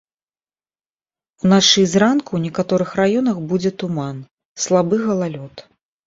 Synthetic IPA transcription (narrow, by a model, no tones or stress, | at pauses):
unaʂɨzrankuwnʲɛkat̪ɔɾɨxrajɔnɐxbud͡zʲɛt̪uman | slˠabɨɣɐlˠalʲɔt̪